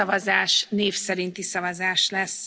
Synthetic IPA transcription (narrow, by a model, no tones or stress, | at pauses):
ɒvɒzaːʃneːfsɛɾint̪isɒvɒzaːʃlɛs